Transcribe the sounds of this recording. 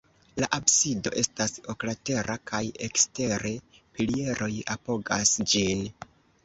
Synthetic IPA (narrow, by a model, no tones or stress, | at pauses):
laʔabsido̞ʔe̞staso̞klate̞ɾʔakʰajekste̞ɾe̞pilie̞ɾʔo̞japo̞ɡasd͡ʒin